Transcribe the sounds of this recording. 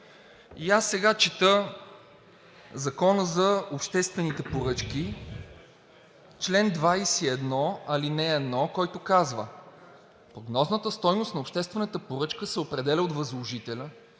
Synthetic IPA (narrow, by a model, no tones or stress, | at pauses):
iasːɛɡat͡ʃit̪ɤ | zɐkɔnəzɐopʃt̪ɛst̪vɛnit̪ɛpoɾɤt͡ʃki | t͡ʃlɛnd̪vajsiɛd̪nɔɐlinɛːd̪nɔkɔjt̪ʊkazvə | pɾoɡnɔznət̪əst̪ɔjnʊst̪nɐopʃt̪ɛst̪vɛnət̪əpoɾɤt͡ʃkəsɛopɾɛd̪ɛlʲəot̪vɐzlˠoʒit̪ɛlʲə